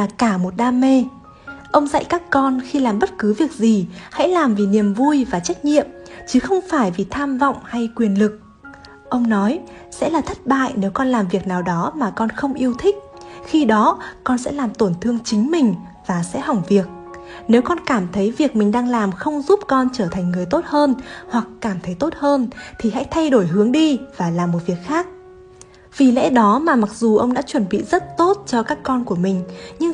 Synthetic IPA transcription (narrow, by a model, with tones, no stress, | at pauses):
laː˨˩kaː˧˩mo˨˩t̚ɗaː˧me˧ | ʔə˧wŋ͡mzə̰˧˨jkaː˦˥kkɔ˧nxi˧laː˨˩mɓə˦˥t̚kɨ˨˦vi˨˩ək̚zi˨˩ha̰˧˥jlaː˨˩mvi˨˩ni˨˩əmvu˧jvaː˨˩t͡ɕa˦˥k̟̚ɲḭ˧˨əmt͡ɕɨ˨˦xə˧wŋ͡mfaː˧˩jvi˨˩t̪ʰaː˧mvɔ̰˧˨wŋ͡mha˧jkwi˨˩ənlɨ˨˩k̚ | ʔə˧wŋ͡mnɔ˨˦j | sɛ̰˧˥laː˨˩t̪ʰə˦˥t̚ɓa̰ː˧˨jne˨˦wkɔ˧nlaː˨˩mvi˨˩ək̚naː˨˩wɗɔ˨˦maː˨˩kɔ˧nxə˧wŋ͡mʔi˧əwt̪ʰï˦˥k̟̚xi˧ɗɔ˨˦kɔ˧nsɛ̰˧˥laː˨˩mt̪o˧˩nt̪ʰɨ˧əŋt͡ɕï˨˦ŋ̟mï˨˩ŋ̟ | vaː˨˩sɛ̰˧˥ɦa˨˩wŋ͡mvi˨˩ək̚ | ne˨˦wkɔ˧nkaː˧˩mt̪ʰə˨˦jvi˨˩ək̚mï˨˩ŋ̟ɗaː˧ŋlaː˨˩mxə˧wŋ͡mzu˦˥p̚kɔ˧nt͡ɕəː˧˩t̪ʰa˨˩jŋ̟ŋɨ˨˩əjt̪o˦˥t̚həː˧nhwa˨˩kːaː˧˩mt̪ʰə˨˦jt̪o˦˥t̚həː˧nt̪ʰi˨˩ɦa̰˧˥jt̪ʰa˧jɗo˧˩jɦɨ˨˦əŋɗi˧vaː˨˩laː˨˩mːo˨˩t̚vi˨˩ək̚xaː˦˥k̚ | v̥i˨˩lɛ̰˧˥ɗɔ˨˦maː˨˩ma˨˩k̚zu˨˩ʔə˧wŋ͡mɗa̰ː˧˥t͡ɕwə˧˩nɓḭ˧˨zə˦˥t̚t̪o˦˥t̚t͡ɕɔ˧kaː˦˥kːɔ˧nku˧˩əmï˨˩ŋ̟ɲɨ˧ŋ